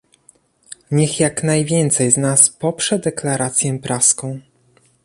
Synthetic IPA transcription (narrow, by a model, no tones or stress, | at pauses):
ɲɛxjaknajvʲjɛnt̪sɛjznaspɔpʂɛd̪ɛklaɾat̪sʲjɛpɾaskɔ̃w̃